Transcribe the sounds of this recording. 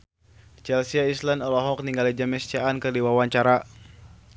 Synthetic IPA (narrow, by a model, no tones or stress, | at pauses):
t͡ʃɛlsiaislandɔlɔɦɔk̚niŋɡalid͡ʒamɛst͡ʃaːnkɨrdiwawaɲt͡ʃaɾa